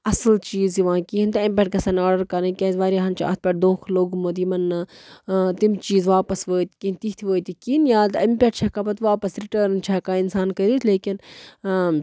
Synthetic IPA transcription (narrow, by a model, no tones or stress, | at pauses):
ɐslt͡ʃiːzjiʋãːkiĩnd̪ɐmʲpʲɛʈ̚kɐsɐnɔːɖəɾkɐnẽkʲɐ̃ːzʋaːɾiɦɐnt͡ʃʰiɐ̰t̪̚pʲɐʈ̚d̪õːkʰloːɡmoːd̪imɐnːɐ | t̪imt͡ʃiːzʋaːpɐsʋəːt̪kint̪it̪ʰiʋəːt̪ikiːnjaːt̪ɐmpʲɛʈt͡ʃʰɐkapɐt̪ʋaːpɐsɾiʈəːɾnt͡ʃʰɛkaːɪnsaːnkɐɾiːt̪ʰleːkin